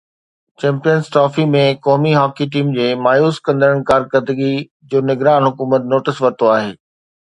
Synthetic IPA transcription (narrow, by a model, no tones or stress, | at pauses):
t͡ɕɛ̃ːmpijənzʈɔːfimẽkɔːmiɦɔːkiʈ̬iːmd͡ʑeːmaːjuːskɐ̃nd̪əɾəɽ̃kaːɾkəɾd̪əɡi | d͡ʑoːnɪɡɾaːnɦʊkuːmət̪noːʈɪsʋɐɾt̪oaːɦḛː